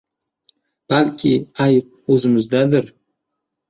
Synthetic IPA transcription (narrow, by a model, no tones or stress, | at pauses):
b̥alkʲʰɪajp̚ | ɵzɪmɪzd̪ad̪ɪɾ